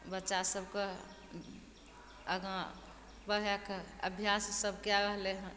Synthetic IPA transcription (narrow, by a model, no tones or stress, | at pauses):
bətːʃasəbke | əɡã | bəɦjakəbʱjassəbkjaɾəɦleɦɛ̃